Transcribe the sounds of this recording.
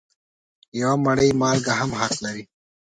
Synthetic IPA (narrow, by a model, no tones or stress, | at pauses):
jawamaɽəjmɑːlɡaɦamɦat̪laɾi